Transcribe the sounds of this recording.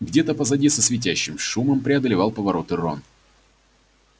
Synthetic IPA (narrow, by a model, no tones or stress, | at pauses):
ɡdʲet̪əpəzɐdʲisəsvʲɪt̬ʲæɕːɪmʂuməmpɾʲɪɐd̪əlʲɪvɑlˠpəvɐɾo̞t̪ɨro̰n